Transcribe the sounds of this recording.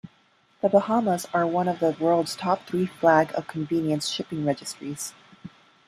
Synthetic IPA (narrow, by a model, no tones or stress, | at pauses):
ðəbəhɑməzə˞wʌ̃nʌvðəwɜ˞lˠdz̥tʰɑp̚θɹiflæɡʌ̰v̥kʰɱvĩnjɨ̃nsʃɪpɪ̃ŋɹɛd͡ʒɨstɹ̥iz̥